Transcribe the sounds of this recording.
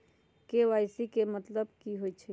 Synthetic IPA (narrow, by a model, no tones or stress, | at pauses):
keʋajsikemət̪ləbkiɦojt͡ʃʰɛ